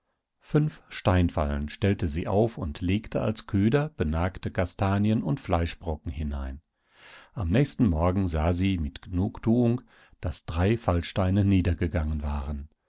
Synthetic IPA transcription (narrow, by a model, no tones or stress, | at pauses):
fʏnfʃtaɪnfa̰lənʃtɛltəziːʔa̰ʊfʊntʰleːktʰəa̰lskʰøːdɐb̥ənaːktəkʰastʰaːnjənʊntflaɪʃb̥ʁɔkŋ̩hɪna̰ɪn | ʔamnɛːçstn̩mɔɐɡŋ̩zaːziːmɪtɡ̥ənuːktʰuːʊŋ | d̥asd̥ʁaɪfalʃtaɪnəniːdɐɡəɡaŋənvaːʁən